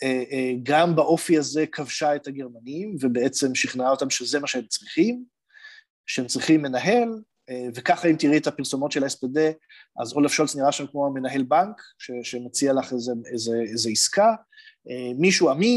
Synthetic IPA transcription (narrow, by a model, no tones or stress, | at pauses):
eɡambaʔo̞fiaze̞kʰavʃaethaɡe̞ʁmanimvebeet͡se̞mʃiχnaot̪amʃezemaʃehemt͡sʁiχim | ʃehemt͡sʁiχimːe̞naɦe̞l | evekaχaimt̪iʁietapiʁso̞mo̞tʃelaespede̞ | ʔa̰zolafʃo̞lsniʁaʃamkmoame̞naɦe̞lbaŋkʃeʃemot͡sialaχezeezeezeiska | emiʃuami